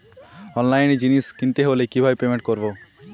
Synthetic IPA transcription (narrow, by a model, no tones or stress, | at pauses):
ɔnlajnd͡ʑiniskint̪eɦolekibʱabepemeɳʈ̚koɾbo